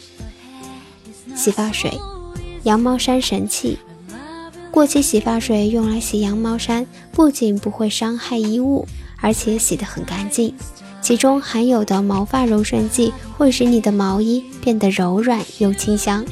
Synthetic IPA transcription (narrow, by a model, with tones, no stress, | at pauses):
ɕi˨˩fa˥˩ʂwḛ˨˩˦ɪjɑ˧˥ŋmɑ˧˥ʊʂa˥nʂə˧˥nt͡ɕʰḭ˥˩ | kwɔ˥˧t͡ɕʰi˥˩ɕi˨˩fa˥˩ʂwe˨˩ɪjʊ˥˩ŋla˧˥ɪɕɛ˨˩jɑ˧˥ŋmɑ˧˥ʊʂa˥n | pu˥˩t͡ɕi˨˩npu˧˥xwe˥˩ɪʂɑ˥ŋxa˥˧ɪi˥u˥˩ə˞˧˥t͡ɕʰjɛ˧˥ɕjɛ˨˩d̪ə˦xə˨˩nka˧˥nt͡ɕi˥˩n | t͡ɕʰi˧˥ʈ͡ʂʊ˥ŋxa˧˥njo˨˩ʊd̪ə˦mɑ˧˥ʊfa˥˩ɻo˧˥ʊʂwə˥˧nt͡ɕi˥˩xwe˥˧ɪʂɻ̩˥˩ni˨˩d̪ə˦mɑ˧˥ʊi˥ | pjɛ˥˩nd̪ə˩ɻo˧˥ʊɻwa˨˩njo˥˩ʊt͡ɕʰi˥ŋɕjɑ˥ŋ